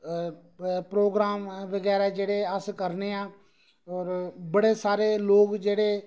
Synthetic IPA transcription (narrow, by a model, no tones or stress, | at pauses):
pɾoːɡɾaːmʋəɡɛːɾaːd͡ʒeːɽeːəskəɾneːãː | ɔːɾbəɽeːsaːɾeːloːɡd͡ʒeːɽeː